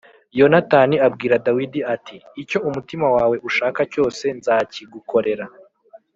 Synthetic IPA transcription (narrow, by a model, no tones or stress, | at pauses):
jo̞nataːniabɡiːɾadawidiatiːco̞umutimawaːwe̞ʔuʃaːkaco̞ːse̞nzaːciɡuko̞ɾe̞ɾa